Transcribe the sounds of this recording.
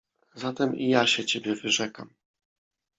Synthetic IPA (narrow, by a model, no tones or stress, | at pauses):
zat̪ɛmijaɕɛt͡ɕebʲjɛvɘʐɛka̰m